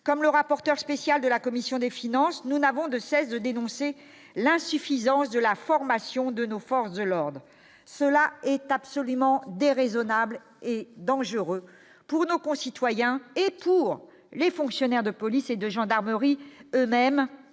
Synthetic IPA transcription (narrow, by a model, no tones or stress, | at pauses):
kɔmləʁapɔʁt̪œʁspesjald̪əlakɔmisjɔ̃d̪efinɑ̃snunavɔ̃d̪əsɛsd̪əd̪enɔ̃se | lɛ̃syfizɑ̃sd̪əlafɔʁmasjɔ̃d̪ənofɔʁsd̪əlɔʁd̪ʁ | səlaɛt̪apsɔlymɑ̃d̪eʁezɔnabl | ed̪ɑ̃ʒəʁø | puʁnokɔ̃sit̪wajɛ̃epuʁ | lefɔ̃ksjɔnɛʁd̪əpɔlised̪əʒɑ̃d̪aʁməʁiømɛm